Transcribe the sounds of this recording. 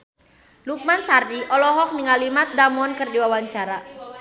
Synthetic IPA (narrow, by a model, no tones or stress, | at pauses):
luk̚mansardiʔɔlɔɦɔk̚niŋalimat̪̚damɔnkərdiwawaɲt͡ʃaɾa